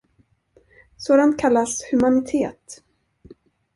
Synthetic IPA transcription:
soːd̪ant̪̚kʰalːashɵmanɪt̪ʰeːt̪

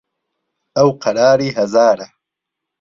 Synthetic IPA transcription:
awqʰɐɽɑːɾiɦɐzaːɾa

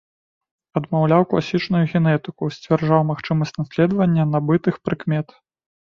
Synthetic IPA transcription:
ɐd̪mawlʲawklˠasʲit͡ʂnujuɣʲɛnɛt̪ɨkusʲt͡sʲvʲarʐawmaxt͡ʂɨmɐsʲt͡sʲnasʲlʲɛd̪vɐnʲːɐnɐbɨt̪ɨxpɾɨkmʲɛt̪

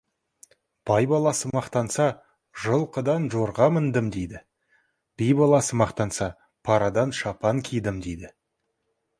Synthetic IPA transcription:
b̥ɑjbɑlˠɑsəmɑqt̪ɑnsɑ | ʒəlˠqəd̪ɑnʒoɾʁɑmənd̪əmd̪ejd̪ɪ | b̥ijbɑlˠɑsəmɑqt̪ɑnsɑ | pʰɑɾɑd̪ɑnʃɑpɑŋkʲʰijd̪ɪmd̪ejd̪ɪ

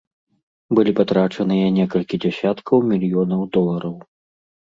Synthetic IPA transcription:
bɨlʲipat̪ɾat͡ʂɐnɨjɐnʲɛkɐlʲkʲid͡zʲasʲat̪kʰɐwmʲilʲjɔnɐwd̪ɔlˠɐɾɐw

